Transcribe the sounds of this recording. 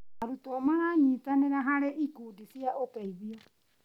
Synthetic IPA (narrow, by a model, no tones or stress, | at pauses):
aɾutʼɔmaɾaɲitʼanɛɾaɦaɾɛʔikudisiaʔɔkʼaiβia